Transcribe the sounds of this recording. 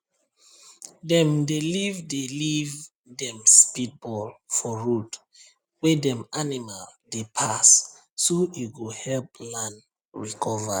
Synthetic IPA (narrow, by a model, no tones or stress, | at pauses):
dɛ̃mdelivdeliv | dɛ̃mspit̚bɔlfɔɹut | wɛdɛ̃manimaldepʰas | soiɡuhɛlplãn | ɹikʰɔva̰